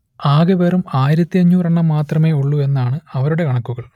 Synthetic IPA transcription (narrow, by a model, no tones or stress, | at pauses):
aːɣɐpe̞ːrumaːjiɾɐt̪ːiɐɲːuːrɐɳːɐmːaːt̪rɐme̞ːuɭːue̞nːaːɳɨɐʋɐɾuɽe̞kɐɳɐkːuɣɐɭ